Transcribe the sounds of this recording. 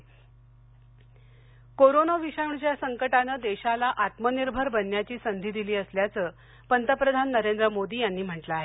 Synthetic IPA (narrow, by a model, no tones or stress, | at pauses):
koɾonəʋiɕaʋuɳt͡ɕjasəŋkəʈanəːd̪eɕalaʔat̪məniɾbʱəɾbənːjat͡ɕiːsənd̪ʱiːd̪iliːəsljat͡səː | pənt̪əpɾəd̪ʱanːəɾend̪ɾəmod̪iːjanːiːm̤əʈlaaɦe